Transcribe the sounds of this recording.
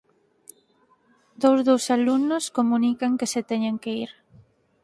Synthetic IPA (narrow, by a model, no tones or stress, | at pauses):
d̪owzðowsalunoskomunikaŋkeset̪ɛɲeŋkeiɾ